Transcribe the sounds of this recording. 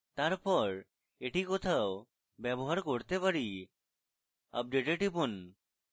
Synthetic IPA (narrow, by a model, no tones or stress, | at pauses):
t̪aɾpɔɾ | eʈikot̪ʰao | bɛboɦaɾkoɾt̪epaɾi | ə̰p̚ɖeʈeʈipun